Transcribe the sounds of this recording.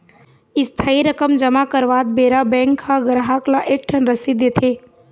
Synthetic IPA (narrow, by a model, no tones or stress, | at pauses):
ɪst̪ʰaiɾəkəmd͡ʒəmakəɾʋaːt̪̚beɾabɛ̃ŋkʰːaɡɾaɦaklaʔek̚ʈʰənɾəsid̪et̪ʰe